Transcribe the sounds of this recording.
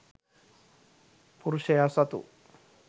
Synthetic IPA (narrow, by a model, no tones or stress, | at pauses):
puɾuʃejasɐt̪ṵ